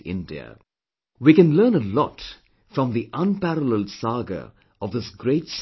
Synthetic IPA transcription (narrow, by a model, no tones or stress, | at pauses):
ɪ̰̃ndḭə̰ | wikɨ̃nlɜːnəlɔ̰t | fɹʌ̃mðiʔə̃npæɾələlˠsɑːɡə̰ | ɔvðɪsɡɾeɪts